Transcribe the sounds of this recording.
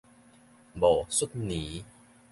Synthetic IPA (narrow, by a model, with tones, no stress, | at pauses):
bɔː˨˩su˦˥t̚ni˨˦